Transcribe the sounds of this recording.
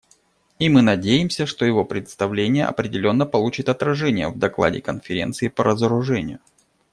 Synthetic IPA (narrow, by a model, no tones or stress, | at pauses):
imɨnɐdʲejɪmsʲəʂt̪o̞jɪvo̞pɾʲɪt̪st̪ɐvlʲenʲɪjə̰ʔɐ̰pɾʲɪdʲɪlʲo̞nːəpɐlˠut͡ɕɪt̪ɐt̪ɾɐʐɛnʲɪjə̰vd̪ɐklˠa̰dʲɪ̰kənfʲɪɾʲe̞̰nt̪sɨɪpəɾəzəɾʊʐɛnʲɪ̰jʊ